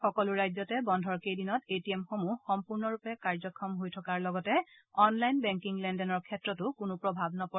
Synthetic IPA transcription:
xɔkɔlʊɹajzɔtɛbɔndʱɔɹkejdinɔtetiɛmxomuxɔmpuɹnɔɹupɛkaɹzɔkʰːɔmɦojtʰɔkaɹlɔɡɔtɛ | ɔnlajnbɛŋkiŋlɛndɛnɔɹkʰɛtɹɔtʊkʊnupɹɔbʱabnɔpɔ

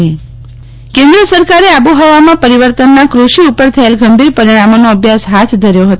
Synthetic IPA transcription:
kẽnd̪ɾəsəɾkaɾeabuɦəʋamãpəɾiʋəɾt̪ənːakɾuʃiupəɾt̪ʰəelɡəmbʱiɾpəɾiɽ̃amonoəbʱjasɦat̪ʰd̪ʱəɾjoɦət̪

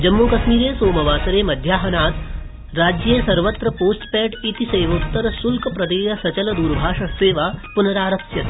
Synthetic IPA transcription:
d͡ʒɐmːukɐʃmiːɾeːsoːmɐʋaːsɐɾeːmɐd̪ʱjaːɦɐnaːt̪ | ɾaːd͡ʒjesɐɾʋɐt̪ɾɐpoːsʈpɛːʈit̪isɐjʋoːt̪ːɐɾɐsulkɐpɾɐd̪eːjɐsɐt͡ʃɐlɐd̪uːɾbʱaːʂɐst̪eːʋaːpunɐɾaːɾɐksjɐt̪

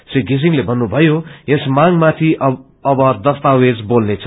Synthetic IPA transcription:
siɡisiŋlebʱʌnːubʱʌjojesmaŋmat̪ʰi | ʌbʌd̪ʌst̪awed͡zbolnet͡sʰʌ

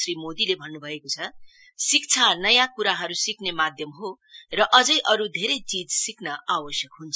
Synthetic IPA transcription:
rimod̪ilebʱʌnːubʱʌekot͡sʰʌ | sik̚t͡sʰanʌjãkuɾaɦʌɾusiknemad̪ʱjʌmɦo | rʌʔʌd͡zʌjʔʌɾud̪ʱeɾʌjt͡sid͡zsiknʌawʌsjʌkɦunt͡sʰ

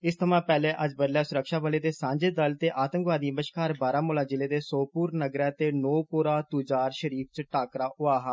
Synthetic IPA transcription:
ɪst̪ʰəmãːpɛːleːʔəd͡ʒbəd̪lɛːsʊɾəkʃaːbəleːt̪eːsãːɲd͡ʒeːd̪əlt̪eːʔaːt̪əŋkʋaːd̪iːəməʃkaːɾbaːɾãːmʊːlãːd͡ʒɪleːd̪eːsoːpuːɾnəɡɾɛːt̪eːnoːpoːɾaːt̪uːd͡ʒaːɾʃəɾiːp̚t͡ʃʈaːkɾaːʔʊaːɦaː

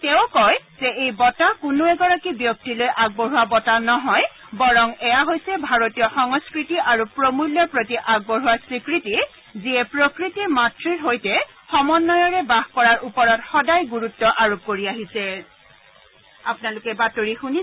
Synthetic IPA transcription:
tɛʊkɔjzɛʔejbɔtakʊnoɛɡɔɹakibjɔk̚tilojʔaɡ̚bɔɹuwabɔtanɔɦɔj | bɔɹɔmɛjaɦojsɛbʱaɹotijɔxɔŋɔskɹitiʔaɹupɹomuljɔpɹotiʔaɡ̚bɔɦuaɹsɹikɹiti | ziɛpɹokɹitimatɹiɹɦojtɛ | xɔmɔnːɔjɔɹɛbaxkɔɹaɹʔupɔɹɔtxɔdajɡuɹutːɔʔaɹop̚koɹiaɦisɛ | apʊnalʊkɛbatoɹixuni

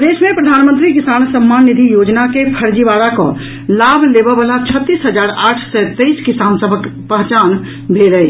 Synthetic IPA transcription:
d̪esmepɾəd̪ʱanmənt̪ɾikisansəmːanːid̪ʱijod͡ʒnakepʰəɾd͡ʒibaɽakɔ̰̃ | labʱlebəbəlat͡ʃʰət̪ːisɦəd͡ʒaɾaʈʰsɛt̪əiskisansəbʱəkpəɦt͡ʃan | bʱeɾəj

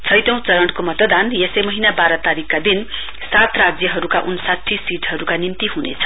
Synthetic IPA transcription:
t͡sʰʌjt̪ʌ̃w̃t͡sʌɾʌɳʈkomʌt̪ʌd̪anjesemʌɦinabaɾʌt̪aɾikːad̪in | sat̪rad͡zjʌɦʌɾukaʔunsat̪ʰːisiʈɦʌɾukanimt̪iɦunḛt͡sʰʌ̥

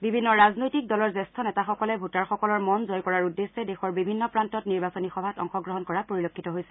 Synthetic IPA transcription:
bibʱinːɔɹaznojtik̚dɔlɔɹzɛstʰɔnɛtaxɔkɔlɛbʱutaɹxɔkɔlɔɹmɔnzɔjkɔɹaɹudesːɛdexɔɹbibʱinːɔpɹantɔtniɹbasɔnixɔbʱatɔŋxɔɡɹɔɦɔnkɔɹapoɹilokʰːitɔɦojsɛ̥

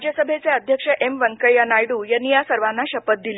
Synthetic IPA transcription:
d͡ʑjəsəbʱet͡seəd̪ʱjəkʂəʔemʋəŋkəjanajɽuːjanːijasəɾʋanːaɕəpət̪̚d̪ile

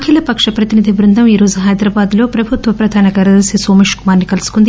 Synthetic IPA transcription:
kʰilɐpɐkʂɐpɾɐt̪inid̪ʱiʋɾund̪ʱɐmiːɾo̞ːzuɦɐjd̪ɾaːbaːd̪lo̞ːpɾɐbʱut̪ʋɐpɾɐd̪ʱaːnɐɡɐɾɐd̪ɐsɐsoːmeːʂkumaːɾnikɐlusu̥kund̪

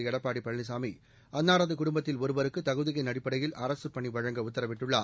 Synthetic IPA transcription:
ɪɛɽɐpːaːɽipːɐɭnɪs̬aːmi | ɐnːaːɾɐðɯkʊɽʊmbɐt̪ːɪlɔɾɯbɐɾɯkːɯt̪ɐɣɯðɪɣɐɪnɐɽɪpːɐɽɐjɪlʔɐɾɐsɯpɐɳiʋɐɻɐŋɡɐʊt̪ːɐɾɐʋɪʈːɯɭːa

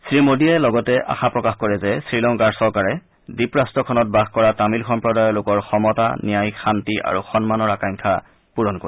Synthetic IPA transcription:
sɹimodiɛlɔɡɔtɛʔa̰xapɹɔkaxkoɹɛzɛsɹilɔŋkaɹsɔɹkaɹɛ | dipɹastɹɔkʰɔnɔt̚baxkɔɹatamilxɔmpɹɔdajɔlʊkɔɹxɔmɔta̰nijajxantiʔa̰ɹuxɔnmanɔɹakaŋkʰa | puɹɔnkoɹi

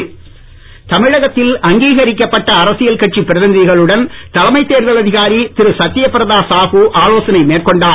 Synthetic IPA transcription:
t̪ɐmɪɻɐɣɐt̪ːɪlɐŋɡiːɣɐɾɪkːɐpːɐʈːɐːɾɐsɪjɐlkɐʈ̚t͡ʃːipːɪɾɐðɐnd̪ɪɣɐɭɯɽɐnt̪ɐlɐmɐɪt̪ːeːɾʋɐlɐðɪɣaːɾit̪ɪɾɯsɐt̪ːɪjɐpːɪɾɐðaːsaːɣuʔaːloːsɐnɐɪmeːrkɔɳɖaː

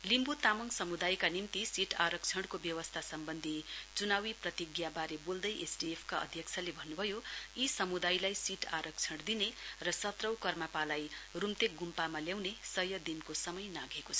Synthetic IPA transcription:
limbut̪amʌŋsʌmud̪ajkanimt̪isiʈaɾʌk̚t͡sʰʌɽkobjʌwʌst̪ʰasʌmbʌnd̪ʱit͡sunawiprʌt̪iɡjabaɾebold̪ʌjʔesɖiepʰkaʔʌ̰d̪ʱjʌkt͡sʰʌlebʱʌnːubʱʌjoisʌmud̪ajlajsiʈʰaɾʌk̚t͡sʰʌɽd̪inerʌsʌt̪rʌwkʌrmapalajrumt̪ek̚ɡumpamaljawnesʌjʌd̪inkosʌmʌjnaɡʱekot͡sʰʌ

